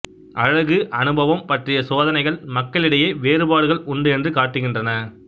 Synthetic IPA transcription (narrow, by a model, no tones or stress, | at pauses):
ʔɐɻɐɣɯʔɐnɯbɐʋɐmpɐʈrɪjɐsoːðɐnɐɪɣɐɭmɐkːɐɭɪɽɐjeːʋeːɾɯbaːɽɯɣɐɭʔʊɳɖɯɛndrɯkaːʈːɯɣɪndrɐnɐ